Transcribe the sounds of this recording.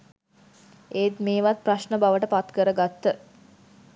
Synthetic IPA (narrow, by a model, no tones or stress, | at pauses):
eːt̪meːʋat̪̚praʃɳəbaʋəʈəpat̪kəɾəɡat̪ːə